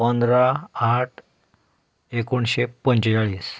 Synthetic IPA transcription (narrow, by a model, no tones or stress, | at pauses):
pənd̪ɾaaʈʰ | ekoɳɕepəɲt͡ɕjaɭiːs